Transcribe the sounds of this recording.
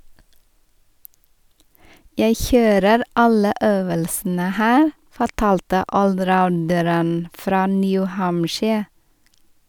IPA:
ˈjæɪ ˈçøːɾəɾ ˈɑlə ˈʔøːʋəlsn̩ə ˈhæːɾ fɔˈʈɑːltə ʔɔlˈɾaʊndəɾən ˈfɾɑː ˈnjʉ ˈhɑmʃɪ

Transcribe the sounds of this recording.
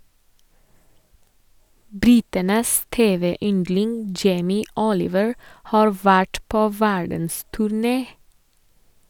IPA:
ˈbɾɪtənəs ˈteːˌʋeː ˈʏndlɪŋ ˈd͡ʒeɪmɪ ˈɔlɪʋəɹ ˈhɑːɹ ˈʋæʈ ˈpoː ˈʋæɖn̩stʉɾˌneː

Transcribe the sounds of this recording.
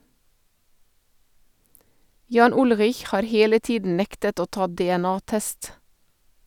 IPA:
ˈjɑːn ˈʊlʁɪç ˈhɑːɾ ˈheːlə ˈtiːdn̩ ˈnɛktət ˈoː ˈtɑː dɛɛˈnɑːˌtɛst

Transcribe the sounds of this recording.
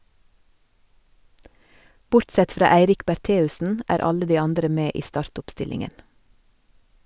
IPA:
ˈbʊɾtˌsɛt ˈfɾɑː ˈæɪɾɪk bæˈʈeːʉsən ˈæːɾ ˈɑlə ˈdiː ˈɑndɾə ˈmeː ˈiː ˈstɑːɾtʊpˌstɪlɪŋən

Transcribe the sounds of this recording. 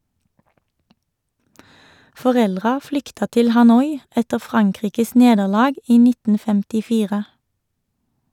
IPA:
fɔˈʁɛlʁɑ ˈflʏktɑ ˈtɪl hɑˈnɔʏ ˈɛtə ˈfʁɑŋˌkʁiːkəs ˈneːdəʁˌlɑːɡ ˈiː ˈnɪtn̩ fɛmtɪˈfiːʁə

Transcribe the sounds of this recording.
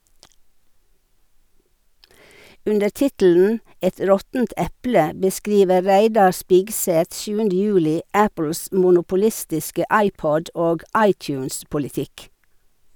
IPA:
ˈʉndəɾ ˈtɪtl̩n̩ ˈɛt ˈɾɔtn̩t ˈɛplə bəˈskɾiːʋə ˈɾæɪdɑ ˈspɪɡˌsɛt ˈʃjʉːəndə ˈjʉːlɪ ˈæpl̩s mʊnʊpʊˈlɪstɪskə ˈɑɪˌpɔd ˈoːɡ ˈɑɪˌtjʉːnspʊlɪˌtɪk

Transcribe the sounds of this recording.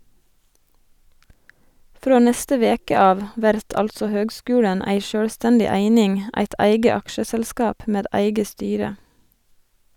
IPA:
ˈfɾoː ˈnɛstə ˈʋeːkə ˈɑːʋ ˈʋæɾt ˈɑlsɔ ˈhøːɡˌskʉːɽən ˈæɪ ˈʃøːɽˌstɛndɪ ˈæɪnɪŋ ˈæɪt ˈæɪɡə ˈɑkʃəsɛlˌskɑːp ˈmeːd ˈæɪɡə ˈstyːɾə

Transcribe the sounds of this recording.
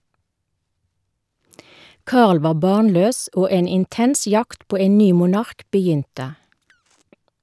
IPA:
ˈkɑːʁl ˈʋɑː ˈbɑːnˌløːs ˈoː ˈeːn ɪnˈtɛns ˈjɑkt ˈpoː ˈeːn ˈnyː mʊˈnɑʁk bəˈjʏntə

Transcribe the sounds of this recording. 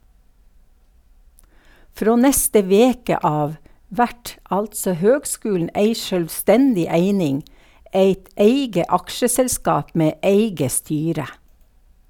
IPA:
ˈfɾoː ˈnɛstə ˈʋeːkə ˈɑːʋ ˈʋæʈ ˈɑltsɔ ˈhøːɡˌskʉːln̩ ˈeɪ ʃœlʋˈstɛndɪ ˈæɪnɪŋ ˈeɪt ˈæɪɡə ˈɑkʃəsɛlˌskɑːp ˈmeː ˈʔeɪɡə ˈstyːɾə

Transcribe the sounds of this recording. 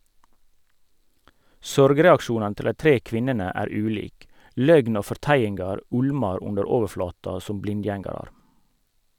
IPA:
ˈsɔɾɡɾɛɑkˌʃuːnɑnə ˈtɪl ˈdæɪ ˈtɾiː ˈkʋɪnənə ˈæːɾ ˈʉːliːk ˈlœɡn ˈoː fɔʁˈtæjɪnɡɑɾ ˈʊɽmɑɾ ˈʊndəɾ ˈoːʋəɾˌflɑːtɑ ˈsʊm ˈblɪnˌdjɛŋɑɾɑɾ

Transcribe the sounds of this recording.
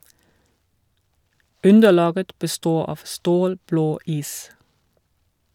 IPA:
ˈʉndəˌlɑːɡə bəˈstoː ˈɑːʋ ˈstoːlbloː ˈiːs

